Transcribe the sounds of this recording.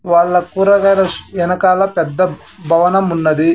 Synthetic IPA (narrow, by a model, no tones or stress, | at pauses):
ʋaːɭːɐkuːɾɐɡɐlɐɛnɐkaːlɐpɛd̪ːɐ | bʱɐʋɐnɐmunːɐd̪i